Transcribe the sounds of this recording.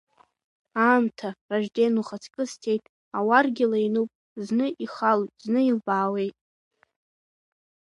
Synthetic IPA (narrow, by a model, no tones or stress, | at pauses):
aːmtʰaraʒdenuχat͡sʰkʼɨstʰe̞jtʼ | awarɡʲɪlainupʼ | znɨʔiχalʼznɨilbaːwe̞jtʼ